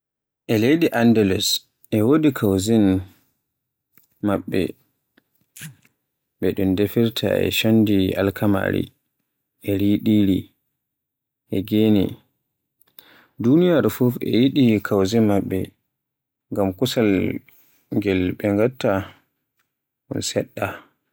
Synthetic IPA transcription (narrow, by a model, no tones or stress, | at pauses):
ʔɛlejɗiʔandɛlɛs | ʔɛwodikʰawzin | maɓːɛ̰ | ɓɛɗundefiɾtʰa̰ɛ̰ʃandia̰lkʰama̰ɾḭ | ʔɛɾiɗiːɾi | ʔɛɡenḭ | dunijaɾfufɛ̰jiɗikʰawzimaɓːɛ̰ | ŋɡamkusal | ŋɡɛlɓɛŋɡatːa | ɗṵnsɛɗːa